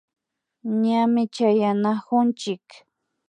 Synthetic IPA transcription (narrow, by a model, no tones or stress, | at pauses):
ɲamɪt͡ʃajanahʊnt͡ʃɪk